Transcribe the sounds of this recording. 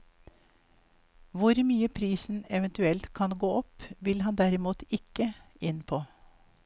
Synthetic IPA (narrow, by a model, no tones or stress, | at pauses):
ʋʊɾmyːəpʰɾiːsn̩ɛʋənt̪ʉɛlt̪kʰɑnɡoːɔpʋɪlhɑnd̪æɾɪmuːt̪ʰɪkə | ɪnpʰoː